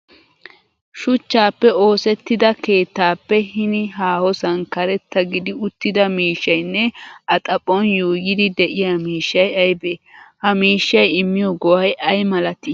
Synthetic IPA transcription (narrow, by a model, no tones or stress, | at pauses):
ʃʊt͡ʃːaːpːɛo̞ːsɛt̪ːɪd̪ɐke̞ːt̪ːaːpːɛhɪnɪɦaːhɔsɐnkɐɾɛt̪ːɐɡɪd̪ɪʊt̪ːɪd̪ɐmiːʃːɐjnːɛʔɐt̪ʼɐpʼːɔnjoːjɪd̪ɪd̪ɛʔɪjaːmiːʃːɐjɐjbeːhɐmiːʃːɐjɪmːɪjɔɡɔwɐjʔɐjmɐlɐt̪ɪ